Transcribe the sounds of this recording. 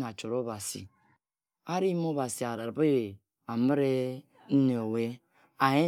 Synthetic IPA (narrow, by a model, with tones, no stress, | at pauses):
n˨a˨t͡ʃo˨ɾo˦ba˨sḭ˨ | a˦ɾi˦m˦o˦ba˨si˨a˨ɾa˨ɾbe˦e˨ | a˨mə˦ɾe˦ | n̩˦ne˨o˨we˦ | a˨je˦